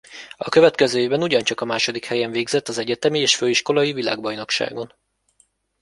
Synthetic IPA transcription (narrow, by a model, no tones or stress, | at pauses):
ɒkøvɛt̪kɛzøːeːvbɛnuɟɒnt͡ʃɒkɒmaːʃo̞d̪ikhɛjɛɱveːɡzɛt̪ːɒzɛɟɛt̪ɛmieːʃføːiʃko̞lɒjivila̰ːɡbɒjno̞kʃa̰ːɡo̞n